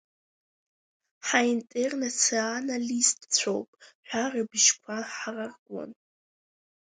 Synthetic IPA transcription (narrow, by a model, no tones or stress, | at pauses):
ħaintʼernat͡sʰionalistʼt͡sʷʰowpʼħʷᶣarɨbʒkʷʰaħararɡʷʼɔ̰n